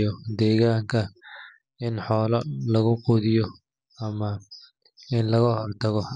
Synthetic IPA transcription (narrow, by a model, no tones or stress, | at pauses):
ɔd̪ɛːɣaːŋkʰɐ | ɪnħɔːlɐlɐɣʊquðɪjɔ | ɐmɐ | ɪnlɐɣɐhɔrt̪ʰɐɣɔ